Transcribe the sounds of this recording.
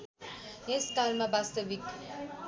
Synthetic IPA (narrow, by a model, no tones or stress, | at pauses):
eskalmabast̪ʌbik